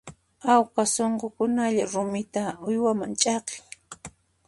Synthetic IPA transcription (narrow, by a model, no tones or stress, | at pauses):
awqasoɴqokʊnaʎaɾʊmɪt̪aʊjwamant͡ʃʼɑqɪŋ